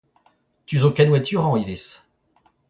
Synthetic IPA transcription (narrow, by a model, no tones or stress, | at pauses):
t̪yzõkanwat̪yʁɑ̃ilis